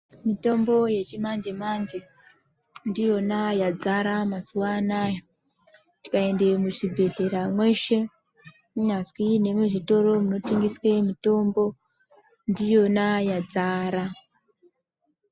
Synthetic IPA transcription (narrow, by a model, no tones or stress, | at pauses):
mito̞mbo̞je̞t͡ʃimand͡ʒemand͡ʒe̞ | ndijo̞najad͡zaɾamasuwanajo | ti̥kae̞nde̞muʐibʱe̞ɮe̞ɾamwe̞ʃe̞ | uɲazwine̞muʐito̞ɾo̞muno̞tiŋɡiswemito̞mbo̞ | ndijo̞najad͡zaːɾa